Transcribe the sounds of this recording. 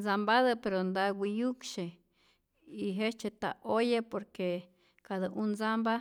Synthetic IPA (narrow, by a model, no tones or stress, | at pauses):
d͡zambaðəpeɾond̪awʷijukʃe | iɦet͡ʃet̪a̰ʔojepoɾke | kaðəʔunzamba